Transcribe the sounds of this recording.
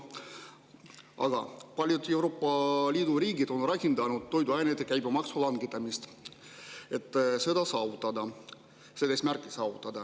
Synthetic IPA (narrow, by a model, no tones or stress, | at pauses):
ʔɑ̰ɡ̥ɑ̰pɑlʲjud̪e̞wɾo̞ːpːˑɑliːd̪̥uɾiːɡid̪̥o̞nrɑkʲind̪ɑnud̪̥̚t̪ːo̞jd̪uɑjned̪ekæjbmɑksulɑŋɡit̪ːˑɑmist̪ | e̞t̪ˑːse̞d̪ɑsɑːvut̪ːˑɑd̪ɑ | sed̪esmærkːˑisɑːvut̪ːˑɑd̪̥ɑ